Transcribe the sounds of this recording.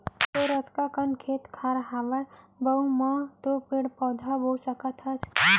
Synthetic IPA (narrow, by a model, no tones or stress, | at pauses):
t̪oɾət̪kakənkʰet̪kʰaɾɦaʋə | bəumat̪opeɽpɔːd̪ʱabosəkət̪ʰɦət͡ʃʰ